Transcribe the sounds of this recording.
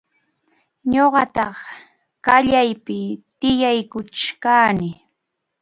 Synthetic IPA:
ɲoɢɑt̪ɑχ | kaʎajpɪt̪ɪjajkʊt͡ʃkaːnɪ

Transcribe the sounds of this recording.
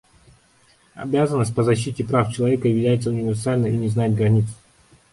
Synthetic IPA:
ɐ̰bʲazənːəsʲt̚ʲpəzɐɕːitʲɪpɾaft͡ɕɪlˠɐvʲekəvʲɪlʲæjɪt̪səʊnʲɪvʲɪrsalʲnəinʲɪznajɪt̪̚ɡɾɐnʲit̪s

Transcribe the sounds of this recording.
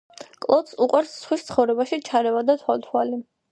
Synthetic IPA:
kʼlˠɔt̪suqʼwaɾsːχwist̪sʰχɔvɾɛbaʃit͡ʃʰaɾɛvad̪at̪ʰwalt̪ʰwali

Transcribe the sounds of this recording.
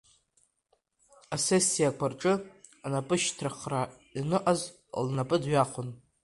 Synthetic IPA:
asesːijakʷʰarʈ͡ʂʼɨ | anapʼɨʃtʰraχra | inɨʔaz | lnapʼɨdɥaχʷʊn

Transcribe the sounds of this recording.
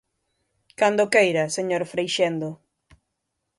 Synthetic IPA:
kand̪okejɾɐseɲoɾfɾejʃend̪o

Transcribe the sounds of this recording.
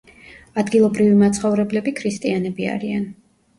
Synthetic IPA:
ad̪ɡilˠɔbɾivimat̪sʰχɔvɾɛblɛbikʰɾist̪ʼianɛbia̰ɾian

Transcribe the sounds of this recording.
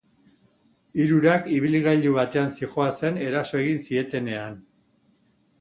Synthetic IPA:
iɾuɾakiβiliɣajʎluβat̪e̞ansixoase̞ne̞ɾaso̞e̞ɣinsie̞t̪e̞ne̞an

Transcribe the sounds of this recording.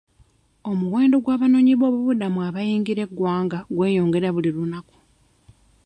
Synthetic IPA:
o̞muwe̞ːndo̞ɡwaːβano̞ːɲiβo̞ːβuβudamuaβajiːŋɡiɾe̞ɡːwaːŋɡaɡwe̞ːjo̞ːŋɡe̞ɾaβulilunaku̥

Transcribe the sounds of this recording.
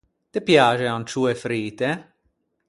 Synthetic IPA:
t̪epjaːʒeant͡ʃuːefɾiːt̪e

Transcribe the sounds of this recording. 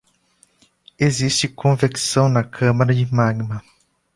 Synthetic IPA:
ezist͡ʃɪkʰõviksɐ̃w̃nɐkʰɐ̃maɾɐd͡ʒɪmaɡmɐ

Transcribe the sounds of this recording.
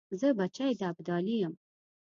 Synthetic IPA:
zəbat͡ʃajd̪aabd̪ɑlijəm

